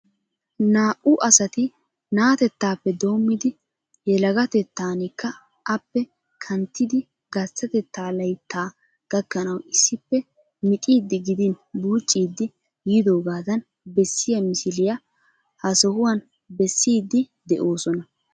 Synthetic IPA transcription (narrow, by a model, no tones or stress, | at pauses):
naːʔʊʔɐsɐt̪ɪ | naːt̪ɛt̪ːaːpːɛd̪o̞ːmːɪd̪ɪ | jɛlɐɡɐt̪ɛt̪ːaːnɪkːɐ | ʔɐpːɛ | kʰɐnt̪ːɪd̪ɪ | ɡɐt͡sːɐt̪ɛt̪ːaːlɐjt̪ːaː | ɡ̥ɐkːɐnɐwɪsːɪpːɛ | mɪt̪ʼiːd̪ːɪɡɪd̪ɪnbuːt͡ʃʼːiːd̪ːɪ | jid̪o̞ːɡaːd̪ɐn | bɛsːɪjɐmɪsɪlɪjɐ | hɐsɔhʊwɐn | bɛsːiːd̪ːɪd̪ɛʔo̞ːsɔnɐ